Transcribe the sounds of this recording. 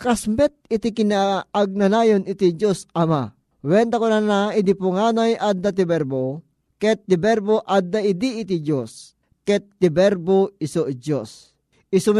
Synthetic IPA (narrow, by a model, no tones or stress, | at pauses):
kasmɛt̪̚ɪt̪ikɪnaːɡ̚nanajonɪt̪id͡ʒosɐma | wɛnt̪akʊnanaɪd̪ipoŋaːnajʔad̪ːat̪̬ibɛɾbo | kɛt̪ːɪbɛɾboʔad̪ːaɪd̪iːt̪id͡ʒos | kɛt̪ːɪbɛɾboɪsoʔd͡ʒos | ɪsʊm